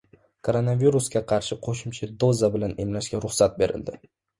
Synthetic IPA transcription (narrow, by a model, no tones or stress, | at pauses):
kʰoɾo̞naviɾuskʲaqʰɑɾʃɪqʰoʃʊmt͡ʃʰad̪ozabɪlane̞mlaʃɡʲaɾʊχsat̪̚be̞ɾɪ̰ld̪ɪ